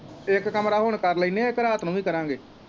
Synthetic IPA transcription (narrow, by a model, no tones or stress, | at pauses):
ɪkːəmɾaːɦoːɳkəɾləiːnẽːɪkɾaːt̪ʰnũːʋiːkəɾãːŋɡeː